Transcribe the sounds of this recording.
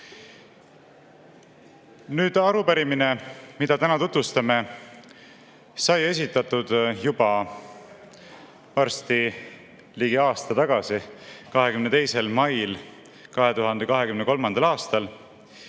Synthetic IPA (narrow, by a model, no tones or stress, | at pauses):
nyːd̪̥ɑɾupæɾimine̞mid̪̥ɑt̪ænɑt̪ut̪vust̪ɑme̞ | sɑje̞s̬ʲit̪ːˑɑt̪ːud̪̥jubɑ | ɑrst̪i | liɡiɑːst̪ɑt̪ɑɡ̥ɑsikɑɦe̞kymnet̪e̞jse̞lmɑjl | kɑɦe̞t̪uɦɑnd̪̥e̞kɑɦe̞kymneko̞lmɑnd̪̥ɑlɑːst̪ɑl